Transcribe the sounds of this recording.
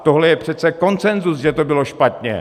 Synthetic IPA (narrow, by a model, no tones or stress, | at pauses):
t̪oɦlɛjɛpr̝̥ɛt̪t͡sɛko̞nt͡sɛnzusʒɛt̪obɪlo̞ʃpat̪ɲɛ̰